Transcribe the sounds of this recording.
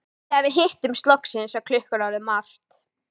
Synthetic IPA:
θɛvɪɦɪht̪ʏmst̪lɔhksɪnsakʰlʏhkʏɾawðɪmːal̥t̪

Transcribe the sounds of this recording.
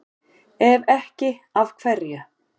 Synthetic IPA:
ɛvɛhcɪavkʰvɛrjʏ

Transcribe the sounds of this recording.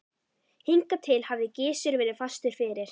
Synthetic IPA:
hiŋkat̪ʰɪlhavðɪcɪːsʏɾvɛːɾɪðfast̪ɪɾ̥fɪːɾɪɾ̥

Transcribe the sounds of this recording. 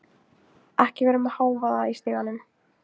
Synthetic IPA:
ɛhcɪvɛːɾʏmaðhaːwvaðaist̪ɪɣanːʏm

